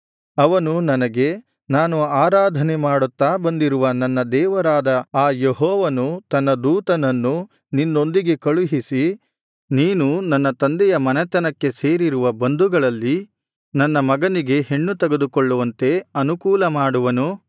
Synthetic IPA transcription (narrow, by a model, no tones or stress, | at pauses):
ɐʋɐnunɐnɐɡe̞ | naːnuaːɾaːd̪ʱɐnemaːɽut̪ːaːbɐnd̪iɾuʋɐnɐnːɐd̪ɛːʋɐɾaːd̪ɐaːjeɦɔːʋɐnut̪ɐnːɐd̪uːt̪ɐnɐnːu | ninːo̞nd̪iɡe̞kɐɭuɦisi | niːnunɐnːɐt̪ɐnd̪ɛjɐmɐnɛt̪ɐnɐkːe̞se̞ːɾiɾuʋɐbɐnd̪uɡɐɭɐlːi | nɐnːɐmɐɡɐniɡe̞ɦe̞ɳːut̪ɐɡed̪ukoɭːuʋɐnt̪e̞ɐnukuːlɐmaːɽuʋɐnu